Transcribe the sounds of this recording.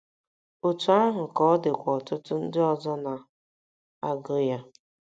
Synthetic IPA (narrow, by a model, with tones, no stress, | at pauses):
o˨tu˨a˦ɦʊ˨kɔ˦dɪ˨kʷɔ˨tʊ˦tʊ˦n̩˦dɪ˦ɔ˦zɔ˦na˨ | a˦ɡʊ˦ja˦